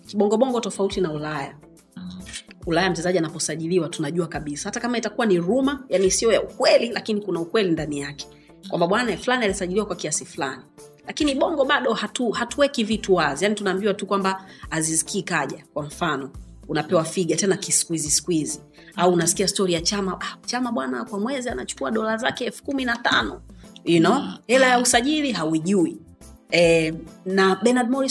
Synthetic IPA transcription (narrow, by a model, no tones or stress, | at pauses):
kiɓɔŋɡɔɓɔŋɡɔtɔfautinaulaja | ulajam̩t͡ʃɛzaʄianapɔsaʄiliwatunaʄuakaɓisahatakamaitakuwaniɾumajanisiɔjaukwɛlilakinikunaukwɛlindanijakɛ̥ | kwambaɓwanaɛflanialisaʄiliwakwakiasifla̰nilakiniɓɔŋɡɔɓaɗɔhatuhatuwɛkivituwazijanitunaːmbiwatukwambaːzisi̥kʰiːkaʄakwam̩fanɔ | unapɛwafiɠatɛnakisi̥kuizisi̥kuizi | auːnasi̥kiastɔɾijat͡ʃamaʔat͡ʃamaɓwana̰kwamwɛzianat͡ʃu̥kuaɗɔlaza̰kɛɛlfu̥kuminata̰nɔinɔɛlajausaʄiliɦawiʄui | ɛnaɓɛnad̚mɔɾi